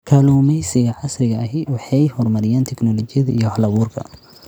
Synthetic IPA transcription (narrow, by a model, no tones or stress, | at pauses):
kʰaːluːmɛjsɐjɐʕɑsrɪɣɐɐɦɪwɑħɑjhɔrmɐɾɪjaːnt̪ʰɛknɔlɔt͡ʃɪjɐðɐʔijɔhlɐβuːrkʰɐ̰